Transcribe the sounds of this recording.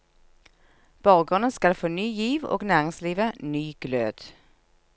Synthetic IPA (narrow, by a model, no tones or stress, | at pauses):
b̥ɔʁɡʁʉnəskɑlfoːnyːjiːʋo̰ːɡnæːʁɪŋsliːʋənyːɡ̥lø̰ːd̪̥